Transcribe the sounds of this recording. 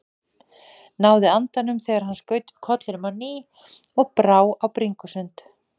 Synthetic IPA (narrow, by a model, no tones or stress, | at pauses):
naːwðɪant̪anʏmθɛːɣaɾ̥hanːskœːɥt̪ʏ̥kʰɔt̪lɪnʏmawniː | ɔɣpɾaːwawpɾiŋkʏsʏnt̪